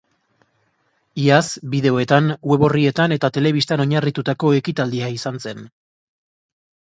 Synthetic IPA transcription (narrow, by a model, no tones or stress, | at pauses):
iasbiðe̞o̞e̞t̪anwe̞βo̞rie̞t̪ane̞t̪at̪e̞le̞β̞ist̪ano̞ɲarit̪ut̪ako̞e̞kit̪ald̪iaisanse̞n